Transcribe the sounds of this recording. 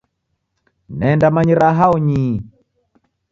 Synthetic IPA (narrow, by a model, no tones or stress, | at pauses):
nɛndamaɲiɾaɦaɔɲi